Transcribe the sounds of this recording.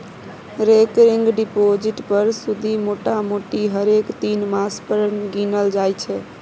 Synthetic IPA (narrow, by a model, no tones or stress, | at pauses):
ɾekɾiŋɡɖipod͡ʒiʈpəɾsud̪ʱimoʈamoʈiɦəɾekt̪inmaspəɾənɡinəld͡ʒajt͡ʃʰɛ